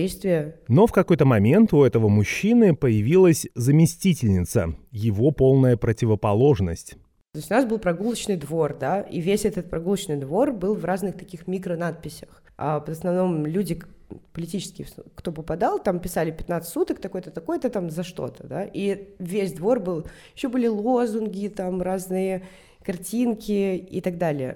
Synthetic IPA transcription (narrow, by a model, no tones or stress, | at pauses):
ejst̪vʲɪjəno̞fkɐko̞jt̪əmɐmʲe̞nt̪ʊɛt̪əvəmʊɕːinɨpəjɪvʲilˠəsʲzəmʲɪsʲtʲitʲɪlʲnʲɪt̪sə̰jɪvo̞po̞lˠnəjəpɾətʲɪvəpɐlˠo̞ʐnəsʲtʲ | t̪ojʲsʲtʲʊnasbɨlˠpɾɐɡulˠət͡ɕnɨjd̪vo̞rd̪aḭvʲesʲɛt̪ət̪̚pɾɐɡulˠət͡ɕnɨjd̪vo̞rbɨlˠvrʔaznɨxt̪ɐkʲixmʲikɾənat̪̚pʲɪsʲə̥x | a̰p̪əsnɐvno̞mlʲudʲɪpəlʲɪtʲit͡ɕɪskʲɪjkt̪o̞pəpɐd̪alˠt̪ampʲɪsalʲɪpʲɪt̪nat̪sɨt̪ʲːut̪ək̚t̪ɐko̞jt̪ət̪ɐko̞jət̪ət̪amzɐʂt̪o̞̰t̪ə̥d̪aʔivʲesʲd̪vo̞rbɨlˠjjɪɕːobɨlʲɪlˠo̞zʊnɡʲɪt̪amraznɨjə | kɐrtʲinkʲɪḭt̪ɐɡd̪alʲɪjə̰